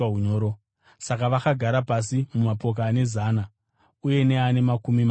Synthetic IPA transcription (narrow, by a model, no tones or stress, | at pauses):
aɦuɲoːɾo | sakaʋakaɡʱaɾapasimumapo̞k̬aːne̞zaːna | uje̞ne̞ane̞makumim